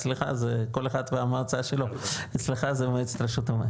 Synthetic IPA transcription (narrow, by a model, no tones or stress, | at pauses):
t͡sliχa̰zeko̞leχad̪veamaʁt͡saʃeloat͡sliχazebmet͡st̪ɾaʃut̪ame